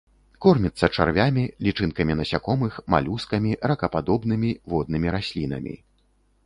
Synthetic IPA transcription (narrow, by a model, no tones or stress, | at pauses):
kɔrmʲit̪sːɐt͡ʂarvʲamʲilʲit͡ʂɨnkɐmʲinɐsʲakɔmɨxma̰lʲuskɐmʲirɐkɐpad̪ɔbn̪ɨmʲivɔd̪̚nɨmʲiɾasʲlʲinɐ̰mʲḭ